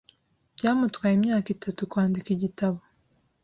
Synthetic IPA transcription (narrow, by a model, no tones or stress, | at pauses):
b̥ɟaːmutwaːjemɲaːkitʰatukwaːndikiɟitaβo